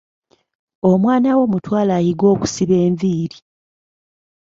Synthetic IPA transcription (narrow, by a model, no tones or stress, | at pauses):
omwaːnawo̞mutwaːlaːjiɡo̞ːku̥siβe̞ːɱviːɾi